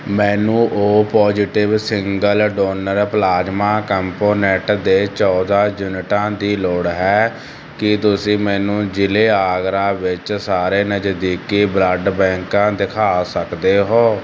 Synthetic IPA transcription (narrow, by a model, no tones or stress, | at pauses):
mɛːnũːʔoːpɔːd͡ʒɪʈɪʋsɪŋɡəlɖoːnəɾplaːd͡ʒmãːkəmpoːnɛʈd̪eːt͡ʃɔːd̪aːd͡ʒʊnɪʈãːd̪iːloːɽɦɛː | kɪt̪ʊsĩːmɛːnũːd͡ʒɪleːaːɡɾãːʋɪt͡ʃsaːɾeːnəd͡ʒd̪iːkiːbləɖbɛ̃ːŋkãːd̪ɪkʰaːsəkd̪eːɦoː